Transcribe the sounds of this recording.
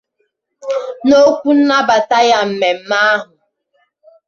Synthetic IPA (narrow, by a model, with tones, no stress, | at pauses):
no˦kʷu˦n̩˦na˦ba˨ta˦ja˦m̩˨me˨m̩˦ma˦ɦʊ˨